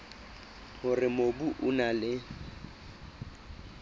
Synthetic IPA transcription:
hʊrɪmobuʔʊnalɪ

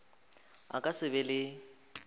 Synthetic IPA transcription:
a̰kʼasɪbɛlɪ

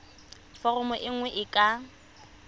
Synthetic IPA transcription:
fɔrɔmɔʔɪŋ̩wɛʔɪkʼa

